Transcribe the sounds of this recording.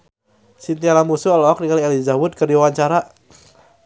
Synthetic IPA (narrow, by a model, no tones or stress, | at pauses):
sint̪ialamusuɔlɔk̚nikaliɛlizawʊd̪̚kərdiwawaɲt͡ʃaɾa